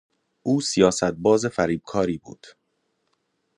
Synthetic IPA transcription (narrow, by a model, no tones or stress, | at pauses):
ʔuːsijɒːsæt̪̚bɒːzefæɾiːb̥̚kʰɒːɾiːbṵːd̪̥